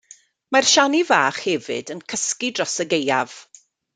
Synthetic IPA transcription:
marʃanivaːχhɛvɨ̰dənkʰəskidrɔsəɡejav̥

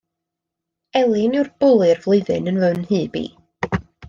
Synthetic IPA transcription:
ɛlˠɪnɪwrb̥ʊlˠɨrvlˠɨɨðɨnənvɛwnhiːb̥ḭː

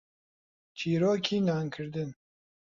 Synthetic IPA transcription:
t͡ʃʰiːɾoːkʰiːnaːŋkʰɨɾd̪ɨn

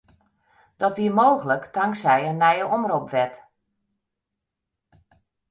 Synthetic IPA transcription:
d̥ɔtʋiəmowɣələktʰaŋksɛjənːɛjəʔɔmropʋɛt

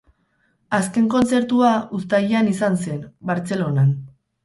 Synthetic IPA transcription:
aske̞ŋko̞nt͡se̞ɾt̪uaust̪aʎanisanse̞nbaɾt͡se̞lo̞nan

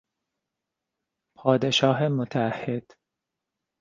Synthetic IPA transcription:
pʰɒːd̪e̞ʃɒːɦemot̪ʰææhːed̪̥

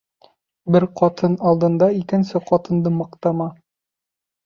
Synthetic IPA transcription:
bɘɾqɒt̪ʰɤnɑlˠd̪ɤ̆nd̪ɑikɘ̆nsɘqɒt̪ɤ̆nd̪ɤmɤ̆qt̪ɑmɑ

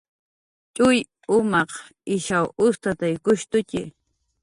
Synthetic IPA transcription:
t͡ʃʼʊj | ʊmɑq | ɪʃawʊst̪at̪ajkʊʃt̪ʊcɪ

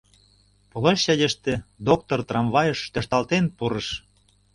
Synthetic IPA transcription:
polɑʃɕɑdʲeʃt̪ĕd̪ok̚t̪ort̪rɑmβɑjə̆ʃt̪ə̆ʃt̪ɑlt̪enpuɾəʃ

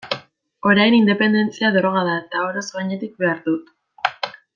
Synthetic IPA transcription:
o̞ɾajnind̪e̞pe̞nd̪e̞nt͡siaðoɾoɣaðaet̪aoɾasoɣaɲe̞t̪ik̚be̞aɾðut̪

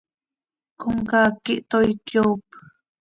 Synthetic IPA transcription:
kuŋkakiʔt̪ojkjowp

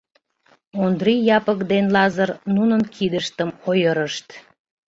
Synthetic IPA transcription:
ond̪ɾijɑpəkd̪enlɑzərnunənkʰid̪əʃt̪əmojəɾəʃt̪

